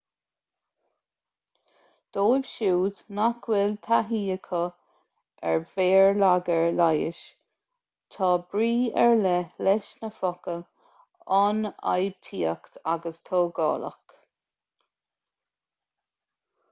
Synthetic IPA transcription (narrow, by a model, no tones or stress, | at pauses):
d̪̥oːjv̥ʃuːd̪nakʰwɪlt̪ʰaɦiːəkʰə | ɛ̰ɹveːɹlaɡəɹlajɪ̰ʃ | t̪ʰɑːbɹiːɛɹlɛlɛʃnəfɔkəl | ɔna̰jb̚t̪ʰiːə̰kt̪ʰa̰ɡəst̪ʰoːɡɑ̰ːlə̰k